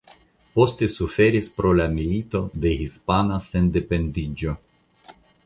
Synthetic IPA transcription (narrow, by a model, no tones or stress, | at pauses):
po̞ste̞sufe̞ɾispɾo̞lamilit̪o̞d̪e̞hispanase̞nde̞pe̞ndid͡ʒo̞